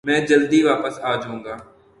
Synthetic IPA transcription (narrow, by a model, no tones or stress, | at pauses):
mɛ̃ːd͡ʒəld̪iʋaːpəsaːd͡ʒũːŋɡaː